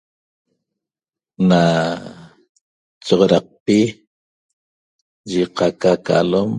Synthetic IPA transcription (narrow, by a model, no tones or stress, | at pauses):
na | t͡ʃɔʁoɾɑq̚pi | ʒiqakaka̰lom